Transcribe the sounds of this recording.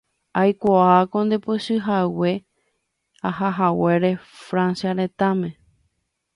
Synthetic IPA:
ajkʷaakond̪e̞poʃɨɦawe̞ | ahaɦawe̞ɾe̞fɾãnsjaɾẽ̞t̪amẽ

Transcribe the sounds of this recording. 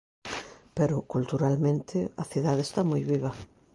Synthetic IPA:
peɾʊkult̪uɾalmẽnt̪ʰɪɐθiðaðest̪amojβiβ̞ɐ

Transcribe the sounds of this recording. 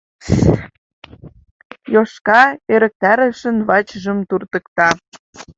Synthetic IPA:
joʃkɑeɾə̆k̚t̪æɾəʃə̆nβɑt͡ɕəʒə̆mt̪urt̪ə̆kt̪ɑ

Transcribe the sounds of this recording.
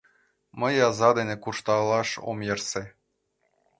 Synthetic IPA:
mə̆jɑzɑd̪enĕkuʃt̪ɑlˠɑʃo̰mjerse

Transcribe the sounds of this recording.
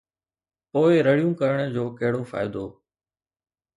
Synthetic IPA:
poːɪɾəɽijũːkəɾəɽ̃d͡ʑoːkɐɦɪɽoːfa̰ːɪd̪oː

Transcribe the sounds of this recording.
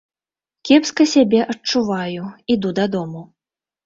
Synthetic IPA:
kʲɛpskɐsʲabʲɛʔɐt͡ʂuvajuid̪ud̪ɐd̪ɔmu

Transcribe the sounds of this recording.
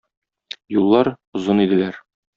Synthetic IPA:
julˠːɑɾ | ŏzonid̪ɘ̆læɾ

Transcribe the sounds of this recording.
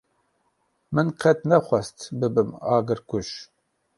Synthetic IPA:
mɨnqʰɛt̪nɛxʷɛst̪bɨbɨmɑːɡɨɾkuʃ

